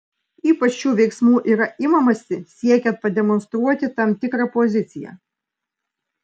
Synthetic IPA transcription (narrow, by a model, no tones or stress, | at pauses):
iːpɐt͡ʃt͡ʃuːʋʲɛɪksmuːʔiːɾɐʔɪmɐmɐsʲɪsʲiɛkʲɛnt̪̚pɐd̪ʲɛmɔnst̪ɾuɔt̪ʲɪt̪ɐmʲt̪ʲɪkɾɐpɔzʲɪt̪sʲɪjɛ̰